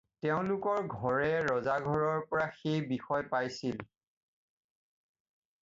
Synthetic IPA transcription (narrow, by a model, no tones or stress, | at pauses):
tɛʊ̃lʊkɔɹɡʱɔɹɛɹɔzaɡʱɔɹɔɹpɔɹaxejbixɔjpajsil